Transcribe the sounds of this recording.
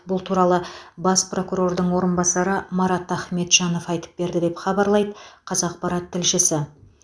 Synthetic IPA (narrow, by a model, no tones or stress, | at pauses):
bʊlˠt̪ʰuɾɑlˠəbɑspro̞kuɾo̞rd̪əɴwo̞ɾənbɑsɑɾəmɑɾɑt̪æχme̞t̪ʒ̥ɑno̞fɑjt̪ə̥p̚be̞ɾd̪ɪd̪e̞pχɑbɑɾlˠɑjd̪əqʰɑzɑq̚pɑɾɑt̪ʰːɪlʃɪsɪ